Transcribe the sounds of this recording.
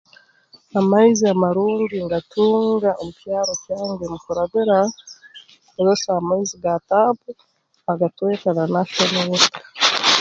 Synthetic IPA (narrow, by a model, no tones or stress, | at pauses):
amaiziamaɾuːŋɡiŋɡatʰuːŋɡaomupjaːɾocaːŋɡemukuɾaβiɾa | oɾesaamaiziɡatapu | aɡatwekananaʃonawitḁ